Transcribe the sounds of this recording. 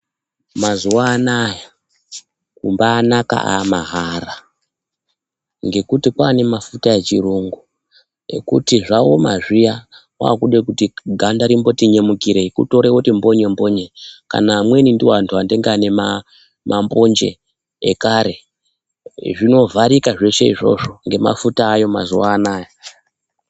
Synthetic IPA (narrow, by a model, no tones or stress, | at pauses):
mazuwaːnaja | kumbaːnaka̰ʔamaɦara | ŋɡe̞kutikwaːne̞mafutae̞t͡ʃiruŋɡu | ḛkṵtiʐawo̞ma̰ʐijawa̰ːkuɗekutiɡʱandaɾimbo̞tiɲe̞mukiɾeikṵto̞ɾewotimbo̞ɲembo̞ɲe̞ka̰naːmwe̞nindiwantʰuandeŋɡeanema | mʔambo̞nd͡ʒe̞̰ | ekaɾe̞ | ʐino̞vʱaɾikaʐe̞ʂe̞ḭʐo̞̰ʐo̞ŋɡe̞ma̰futaːjo̞ma̰zuwaːnaːja